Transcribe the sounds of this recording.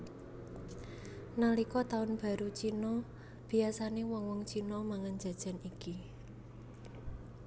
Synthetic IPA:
nalikɔt̪aʊnb̥a̤ɾut͡ʃinɔ | b̥i̤asanewɔŋwɔŋt͡ʃinɔmaŋand͡ʒ̥a̤d̥ʒ̥a̤niki

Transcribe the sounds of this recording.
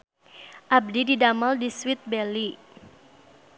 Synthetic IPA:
ʔab̚dididamaldiswɪt̪̚bɛli

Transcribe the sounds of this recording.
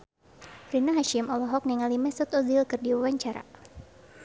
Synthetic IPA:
fɾinaɦaʃɪmɔlɔɦɔk̚niŋalimɛsɔt̪ɔzilkɨrdiwawaɲt͡ʃaɾa̰

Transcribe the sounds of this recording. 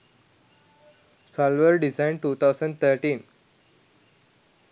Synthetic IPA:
sɔlʋəɾɖizãɪ̃ɳɖ̚ʈuːt̪ʰaʊsə̃ɳɖ̚t̪ʰəɾʈĩːn

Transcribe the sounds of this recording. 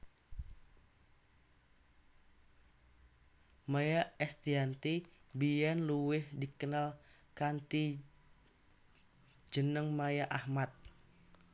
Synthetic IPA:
majaɛst̪iant̪ibijanluwɪhdikənal | kant̪i | d͡ʒənəŋmajaʔahmat̪̚

